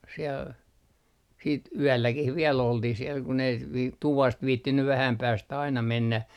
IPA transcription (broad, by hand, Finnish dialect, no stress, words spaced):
siel siːt yælːækih ʋiɛl oltih siel kun ei ʋ tuʋɑst ʋiːtːinːy ʋæhæm pæːstæ ɑinɑ menːæ